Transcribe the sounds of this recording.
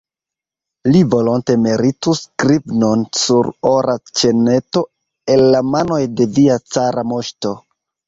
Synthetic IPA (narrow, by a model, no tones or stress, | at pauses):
livo̞lonte̞meɾituskɾibno̞nsuɾoɾʔat͡ʃe̞ne̞to̞ | e̞lːamano̞jde̞viat͡saɾamo̞ʃto̞